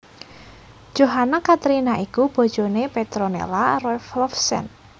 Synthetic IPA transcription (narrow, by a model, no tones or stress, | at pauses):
d̥ʒ̥o̤ɦanakat̪ɾinaʔikub̥ɔ̤d̥ʒ̥o̤nepet̪ɾonḛlarɔflɔfsɛ̰n